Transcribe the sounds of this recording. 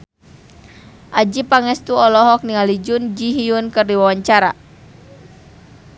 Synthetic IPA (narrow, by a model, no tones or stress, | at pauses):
ʔad͡ʒipaŋɛst̪uɔlɔɦɔk̚niŋalid͡ʒund͡ʒiɦiunkərdiwawaɲt͡ʃaɾa̰